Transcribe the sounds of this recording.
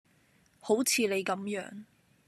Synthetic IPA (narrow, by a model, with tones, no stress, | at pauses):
ho˨˥wt͡sʰiː˨˧le˨˧jkɐ˨˥mjœː˨˥ŋ